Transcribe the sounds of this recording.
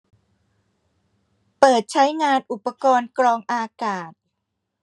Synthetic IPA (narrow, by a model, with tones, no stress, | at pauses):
pɤː˨˩t̪̚t͡ɕʰa˦˥jŋaː˧nʔu˨˩pːa˧kɔː˧nkɾɔː˧ŋʔaː˧kaː˨˩t̪̚